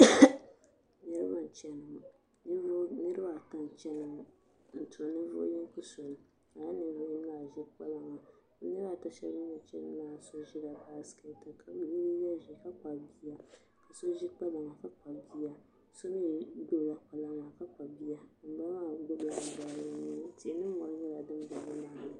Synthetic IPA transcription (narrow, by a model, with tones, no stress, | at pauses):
nɨ˦ɾɨ˦ba˦n˨t͡ʃɛ˦nɨ˨m˨ | n˦nɨ˦ɾɨ˦ba˦˨ta˦n˨t͡ʃɛ˦nɨ˨m˨ | n̩˨tʊ˨ɾa˨nɨ˦vʊ̰˦ji˦ŋ˦ku˦so˨nɨ˨ | a˨ja˦nɨ˨˦vʊ˦m˦la˨ʒi˦k͡pa˦la˦ŋa˨˦ | nɨ˦ɾa˦˨ta˦ʃɛ̰˦i˦ɲɛ˨t͡ʃɛ˦nɨ˦aː˦˨so˦ʒi˦da˨ba˦ske˨ta˨kʰa˨bli˦bi˦ja˦ʒi˨ka˦k͡pa˨bi˦a˦ | ka˨so˦ʒi˦k͡pa˦la˨ŋa˨ka˦k͡pa˨bi˦a˦ | so˦ni˦bo˦˨la˦k͡pa˨la˦ŋa˨ka˦k͡pa˨bi˦ja˦m̩˨˦ba˦maː˦˨ɡ͡bʊ˦ba˨la˨baː˦ɾɨ˦ni˦n˦˨ti˨e˨nɨ˦mɔ˨ɾɨ˦ɲɛ˦la˨dɨ˦m˦ba˨nɨ˦na˨bi˨˦